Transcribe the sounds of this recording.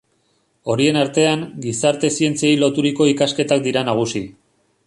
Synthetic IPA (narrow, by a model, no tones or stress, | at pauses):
o̞ɾie̞naɾt̪e̞aŋɡisaɾt̪e̞sie̞nt͡siejlo̞t̪uɾiko̞ikaske̞t̪ak̚d̪iɾanaɣ̞usi